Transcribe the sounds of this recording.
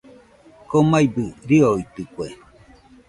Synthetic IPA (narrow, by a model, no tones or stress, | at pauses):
komajbɯɾioit̪ɯkʷe